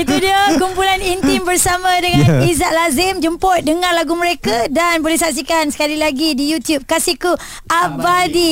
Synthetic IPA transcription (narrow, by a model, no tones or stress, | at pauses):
it̪udiakumpulanint̪imbərsamãdəŋãñnizaʔlazɪmd͡ʒəmpɔt̪̚dəŋãrlaɡuməɾekadanbolehsaks̬ikansə̥kalilaɡidijut̪jup̚kasiku | ʔabadi